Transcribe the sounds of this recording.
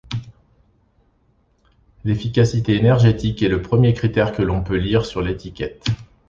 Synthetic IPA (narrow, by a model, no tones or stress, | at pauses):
lefikʲasit̪eːnɛʁʒet̪ikɛləpχəmjekχit̪ɛʁkəlɔ̃pøliʁsyʁlet̪ikʲɛt̪